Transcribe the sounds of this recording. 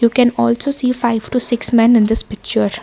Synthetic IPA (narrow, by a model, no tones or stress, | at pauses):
juːkɛ̃nɔːlsoːsiːfaɪʋʈusɪksmɛ̃nɪ̃nd̪ɪspɪk̚t͡ʃəɾ